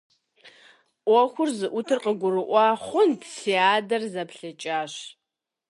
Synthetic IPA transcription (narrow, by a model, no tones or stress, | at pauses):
ʔʷɔxʷʊrzɨʔʷʊtʰɨrqəɡʷʊrɨʔʷɑːχʷʊndsiaːdɐrzɐpɬɐt͡ʃʼaːɕ